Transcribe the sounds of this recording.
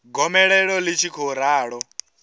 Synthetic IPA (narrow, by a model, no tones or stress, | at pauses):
ɡɔmɛɺɛɺɔlit͡ʃʰikʰɔɾaːɺɔ